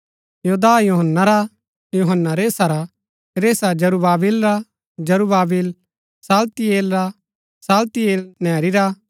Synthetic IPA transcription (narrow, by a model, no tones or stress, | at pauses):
joːd̪aːjuɦənːaɾa | juɦənːaɾeːsaɾa | ɾeːsad͡ʒɐɾubaːbilɾa | d͡ʒɐɾubaːbil | saːlt̪ieːlɾa | saːlt̪ieːlnɛːɾiɾa